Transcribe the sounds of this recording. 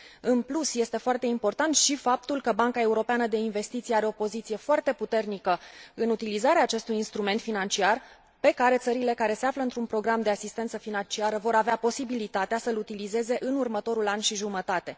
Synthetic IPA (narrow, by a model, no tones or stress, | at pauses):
ɨnplusje̞st̪e̞foart̪e̞impo̞rt̪ant̪ʃifap̚t̪ulkəbaŋkae̞uɾo̞peanəd̪e̞inve̞st̪it̪sijaɾe̞o̞po̞zit̪sije̞foart̪e̞put̪e̞rnikəɨnut̪ilizaɾeaːt͡ʃe̞st̪ujinst̪ɾume̞nt̪finant͡ʃiar | pe̞kaɾe̞t̪səɾile̞kaɾe̞se̞afləɨnt̪ɾunpɾo̞ɡɾamd̪e̞asist̪ensəfinant͡ʃiaɾəvo̞ɾaveapo̞sibilit̪at̪easəlut̪ilize̞ze̞ʔɨnurmət̪o̞ɾulanʲʃiʒumət̪at̪e̞